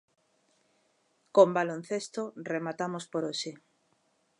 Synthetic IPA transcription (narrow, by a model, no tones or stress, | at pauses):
kombalon̟θest̪oremat̪amospoɾoʃe